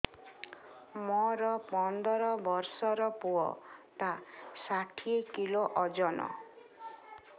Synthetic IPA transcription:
mɔɾɔpɔnd̪ɔɾɔbɔɾsɔɾɔpuɔ̰t̪asaʈʰiekiloʔɔd͡ʒɔnɔ̰

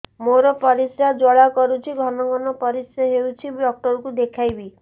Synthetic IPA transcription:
moɾɔpɔɾisjad͡ʒɔɭakɔɾut͡ʃʰiɡʱɔnɔɡɔnɔpɔɾisaɦewt͡ʃʰibɖɔk̚ʈɔɾɔkud̪ekʰajbi

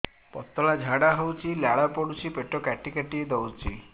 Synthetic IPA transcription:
pɔt̪ɔɭad͡ʒʱaɽaɦɔwt͡ʃʰiljaɭapɔɽut͡ʃʰipeʈɔkaʈikaʈied̪ɔwt͡ʃʰḭ

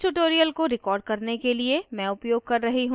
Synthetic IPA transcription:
ʈuʈoːɾijəlkoɾɪkɔːɾɖ̚kɐɾnekeliemɛ̃ʊpjoːɡ̚kɐɾːɐɦiɦũ

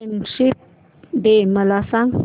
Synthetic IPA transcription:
nʃip̚ | deməlasaŋ

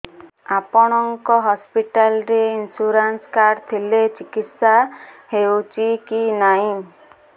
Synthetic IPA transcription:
apɔɽ̃ɔŋkɔɦɔspiʈalɾeinsuɾanskaɾt̪ʰilet͡ʃikit̪saheut͡ʃikinaĩ

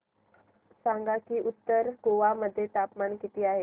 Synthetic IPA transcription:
saŋɡakiːʔut̪ːəɾɡoʋaməd̪ʱːjet̪apmaɳkit̪iːaɦe

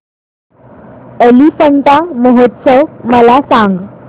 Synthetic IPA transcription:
əlifəɳʈamoɦət̪səʋməlasãŋɡ

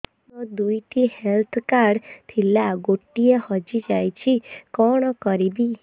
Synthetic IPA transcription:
ɔd̪ujʈihelt̪ʰkaɾɖt̪ʰilaɡoʈːiehɔd͡ʒid͡ʒajt͡ʃʰikɔɽ̃ɔkɔɾibi

